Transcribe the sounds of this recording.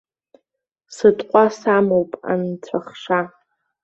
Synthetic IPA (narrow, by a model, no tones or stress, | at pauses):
sɨtʼqʷʼasamowpʼa̰nt͡sʷʰaχʂa